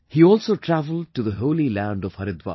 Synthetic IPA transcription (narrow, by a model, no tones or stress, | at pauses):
hiɔːlsoːʈʰɾævəl̩ɖ̚ʈuðəɦoːlilæ̃ɳɖɔʋhʌɾɪd̪wa̰